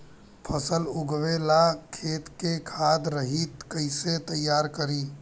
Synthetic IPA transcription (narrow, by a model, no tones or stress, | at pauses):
pʰəsəluɡʋelakʰet̪kekʰad̪ɾəɦit̪kəɪset̪əjːaɾkəɾi